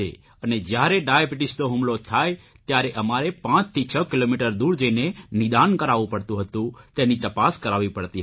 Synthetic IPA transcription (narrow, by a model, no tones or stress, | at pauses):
ḛ | əned͡ʒjaɾeɖajabiʈɪst̪oɦumlot̪ʰaj | t̪jaɾeʔəmaɾepãt͡ʃt̪ʰit͡ʃʰəkilomiʈəɾd̪uɽd͡ʒəinenɪd̪ankəɾaʋũpəɽt̪ũɦət̪ũt̪enit̪əpaskəɾaʋipəɽt̪iɦ